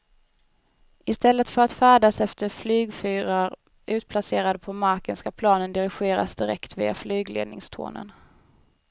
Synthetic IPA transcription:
ɪst̪ɛlːət̪fœɾat̪fæːɖasɛft̪əɾflyːɡfyːɾaɾ | ʔʉ̟ːt̪̚pʰlaseːɾad̪əpʰɔmaɾkənskapʰlɑːnənd̪ɪɾɪɧeːɾa̰sd̪ɪɾɛ̰kt̪vḭːa̰flyːɡlḛːd̪nɪ̰ŋst̪ʰo̰ːnə̰n

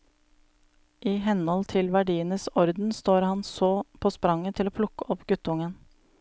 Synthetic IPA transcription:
ʔiːhɛnɔlt̪ʰɪlʋæɖiːənəsɔɾd̪n̩st̪oːɾhɑnsoːpʰoːspɾɑŋət̪ʰɪloːpʰlʊkəɔpɡʉt̪əʊŋən

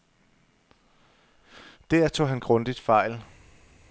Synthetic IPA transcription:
d̥æɐ̰t͡sʰo̝̰ːɦænɡ̥ʁɔ̽nd̥id̥fɑ̈ɪ̰l

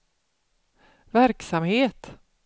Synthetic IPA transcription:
væɾksamheːt̪

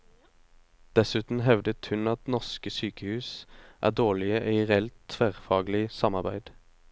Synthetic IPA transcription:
d̪̥ɛsʉːt̪n̩ɦɛʋd̪ət̪hʉnɑt̪nɔʁskəsyːkəhʉːsʔæ̰ːʁd̪oːɭɪəʔiːʁɛɛlt̪ʰːʋæːʁfɑːɡlɪsɑmɑʁbæɪd̪̥

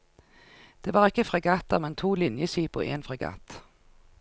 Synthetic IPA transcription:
d̪̥eːʋɑːʁɪkːəfʁɛɡɑːt̪əʁmɛnt̪ʰuːlɪnjəʃiːpʊ̰ʔḛːnfʁɛɡɑ̰ːt̪

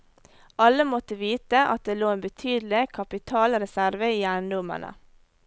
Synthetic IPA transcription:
ʔɑləmɔt̪əʋiːt̪əʔɑ̰t̪̚d̪eːloːeːbət̪ʰyːd̪l̩ɪkʰɑpɪt̪ʰɑːlɾɛsæɾʋəiːjæːɳd̪ʊmə̰ɳə̰

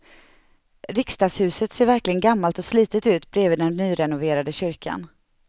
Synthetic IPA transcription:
ɾɪkst̪ɑːɡshʉ̟ːsət̪seːɾvæɾklɪɡənɡamːalt̪ɔsliːt̪ət̪ʉ̟ːt̪bɾeːviːd̪ɛnnyːɾɛnʊveːɾad̪əɕʏɾkʰa̰n

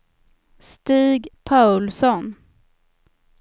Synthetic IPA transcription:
st̪iːɡpʰaʉlsɔn

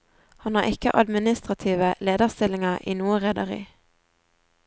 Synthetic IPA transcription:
hɑnɑːʁɪkəʔɑd̪mɪnɪst̪ʁɑt̪ʰiːʋəleːd̪əʁst̪ɪlɪŋɑʁʔḭːnuːəʁɛd̪ɑʁḭː

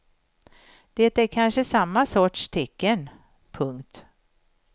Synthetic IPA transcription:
d̪̥et̪æɾkʰanʂəsamːasɔʈʂt̪ʰɛkːən | pʰɵŋkt̪

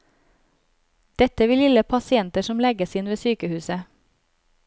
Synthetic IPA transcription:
d̪̥ɛt̪əʋɪːlɪləpʰɑsɪɛnt̪əʃɔmlɛɡəsɪnʋeːsyːkəhʉːsə

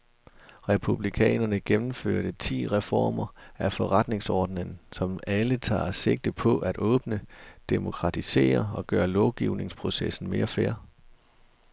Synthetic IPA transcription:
ʁɛpʰub̥likʰɛ̰ːnɐnəɡ̥emm̩føɐ̰ɾ̥ət͡sʰḭːʁɛfɒ̰ːmɐæfɒʁɑd̥ne̝ŋsɒːd̥nənsɒ̽mælət͡sʰɑ̰̈ːse̝ɡ̥̚d̥əpʰɒ̽ʔæd̥ɔ̽ːb̥nəd̥e̝mo̝kʰʁɑ̈t͡sʰise̝̰ːɐɒ̽ɡ̥ɶːɐlɒʊɡ̥iʊne̝ŋspʰʁo̝sesn̩me̝ːɐfæɐ̰

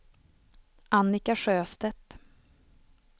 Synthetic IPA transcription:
ʔanːɪkaʂøːst̪ɛt̪

